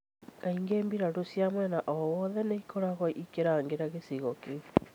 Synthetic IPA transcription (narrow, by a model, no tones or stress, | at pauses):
kaiŋɡeːmbiɾaɾosjamwɛnaʔɔwɔðɛneikɔɾaɣɔʔikeɾaːŋɡeɾaɣesiɣɔke